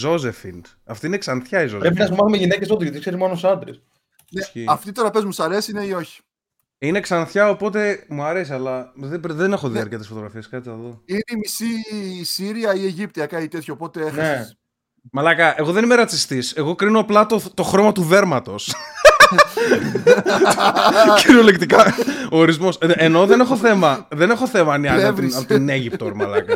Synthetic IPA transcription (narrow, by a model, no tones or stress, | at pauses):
zo̞zefind̪ | ɐft̪oineksɐnθçɐizopɾepinɐsumɐθumeʝine̞cesot̪iʝɐt̪ikse̞ɾizmo̞nosɐnd̪ɾḛs | neiɐft̪it̪oɾɐpezmusɐɾesineio̞çi̥ | ine̞ksɐnθçɐo̞po̞t̪̬e̞muɐɾe̞siɐlɐðebðene̞xoðiɐɾceɐt̪esfo̞t̪oɣɾɐfieskɐt̪iɐðoineimisiːsiɾiɐie̞ʝip̚t̪iɐkɐit̪e̞t̪çoːpo̞t̪e̞exnes | mɐlɐkɐʔe̞ɣo̞ðe̞nimeɾɐt͡sist̪ise̞ɣo̞kɾinoɐplɐt̪ot̪o̞xɾo̞mɐt̪uðe̞ɾmɐt̪o̞s | ciɾiolekt̪ikɐoːɾizmo̞seno̞ðe̞ne̞xo̞θe̞mɐðene̞xo̞θe̞mɐniɐvinɐt̪ineʝipt̪oɾmɐ̰lɐkɐ